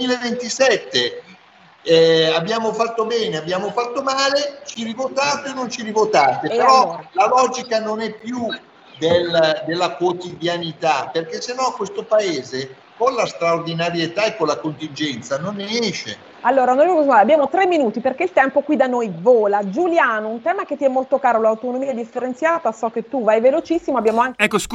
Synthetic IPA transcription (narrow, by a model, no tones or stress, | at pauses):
miːlevent̪isɛt̪ːe | abːjaːmofat̪ːobɛːneabːjaːmofat̪ːomaːlet͡ʃiɾivot̪aːt̪enːont͡ʃiɾivot̪aːt̪epeɾɔlalɔːd͡ʒikanonɛpːju | d̪eld̪elːakwot̪id̪janit̪aperk̟esːenːɔkːwest̪opaeːze | konlast̪ɾaord̪inaɾjet̪aekːolakont̪ind͡ʒɛnt̪sanonːɛʃe | alːoːɾaonoɾevokosmaabjaːmot̪ɾemːinuːt̪iperk̟eilt̪ɛmpokwid̪anojvoːlad͡ʒuljaːnount̪ɛːmak̟et̪ːiɛmːolt̪okaːɾolawt̪onomiːaɛd̪ifːeɾent̪sjaːt̪asɔkːet̪ːuvajvelot͡ʃisːimoabːjaːmoaŋɛkːosk